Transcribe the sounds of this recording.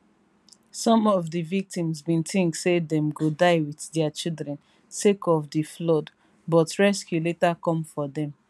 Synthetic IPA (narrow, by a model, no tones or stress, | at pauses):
sɔ̃mɔvdivik̚tĩmzbĩntĩŋktsedɛ̃mɡodaɪwiθdɛat͡ʃildɹɛ̃n | sekɔvdiflɔd | bɔtɹɛskjuletakɔ̃mfɔdɛ̃m